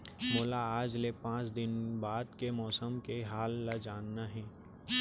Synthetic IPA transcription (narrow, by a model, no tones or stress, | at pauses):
mʊːlaaːd͡ʒlepãːt͡ʃd̪ɪnbaːd̪kemɔːsəmkeɦaːlːad͡ʒaːnːaɦɛ̃ː